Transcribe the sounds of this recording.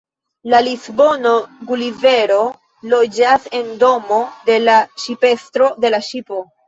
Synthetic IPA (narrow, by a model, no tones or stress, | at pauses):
lalizbo̞no̞ɡulive̞ɾo̞ | lo̞d͡ʒase̞ndo̞mo̞de̞laʃipe̞stɾo̞de̞laʃipo̞